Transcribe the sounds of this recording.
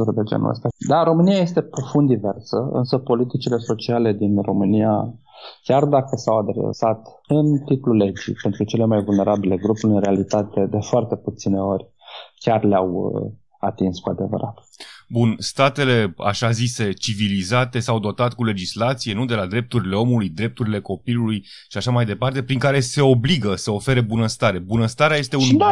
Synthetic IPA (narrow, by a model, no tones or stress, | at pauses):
uɾd̪e̞d͡ʒḛnṵə̰st̪ad̪aɾo̞mɨnijaje̞st̪e̞pɾo̞fund̪ive̞rsəɨ̰nsəpo̞lit̪it͡ʃile̞so̞t͡ʃiale̞d̪inro̞mɨnija | kʲard̪akəsawad̪ɾḛsat̪ | ɨnt̪it̪lule̞d͡ʒḭpent̪ɾut͡ʃe̞le̞majvulne̞ɾʔabile̞ɡɾupulʲɨnɾe̞alit̪at̪e̞d̪e̞foart̪e̞put̪sine̞o̞rʲ | kʲarleawə | at̪inskuad̪e̞və̰ɾa̰t̪ | bunst̪at̪e̞le̞a̰ʃazise̞t͡ʃivilizat̪e̞sawd̪o̞t̪at̪̚kule̞d͡ʒislat̪sije̞nud̪e̞lad̪ɾe̞p̚t̪uɾile̞o̞mulujd̪ɾe̞p̚t̪uɾile̞ko̞piluluj | ʃiaʃamajd̪e̞part̪e̞pɾiŋkaɾe̞se̞o̞bliɡəsəo̞fe̞ɾebunəst̪aɾe̞bunəst̪aɾeajest̪e̞un